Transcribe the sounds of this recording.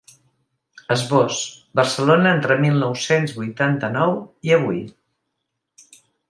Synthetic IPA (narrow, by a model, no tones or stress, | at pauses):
əzβosbərsəlonəent̪ɾəmilˠnɔwsenzβujt̪ant̪ənɔwiəβ̞uj